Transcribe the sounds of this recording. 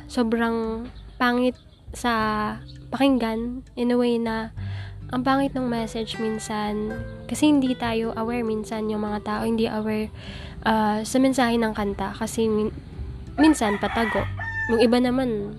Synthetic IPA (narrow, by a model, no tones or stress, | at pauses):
soːbɾɐŋpaːŋɪt̪̚ | sɐ | pɐkɪŋɡanʔɛnɛwɛjnɐ | ʔɐŋpaːŋɪt̪̚noŋmɛsɛd͡ʒminsankɐsɛhɪnd̪it̪aːjo̞ʔɐwɛɹminsɐnjʊŋmɐŋat̪aːʔo̞hɪnd̪iʔɐwɛɹ | ʔasɐmɛnsaːhɛnɐŋkɐnt̪akɐsɛm | minsɐnpɐt̪ɐɡo̞̰ʔjʊŋʔɪbanɐman